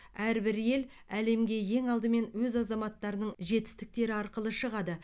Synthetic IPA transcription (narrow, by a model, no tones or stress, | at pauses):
æɾbɪɾje̞l | æle̞mɡʲe̞je̞ŋɑlˠd̪əme̞nwɵzɑzɑmɑt̪ːɑɾənəɴʒe̞t̪ɪ̥st̪ɪk̚t̪e̞ɾɪɑɾqəlˠəʃəʁɑd̪ə